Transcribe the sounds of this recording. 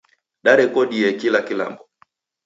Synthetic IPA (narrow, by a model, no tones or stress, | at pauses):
ɗaɾɛkɔɗiɛkilakila̰mbɔ